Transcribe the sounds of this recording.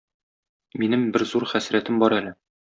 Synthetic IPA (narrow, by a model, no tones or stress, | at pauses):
minɘmbɘɾzuɾχæsɾæt̪ɘmbɒɾælɘ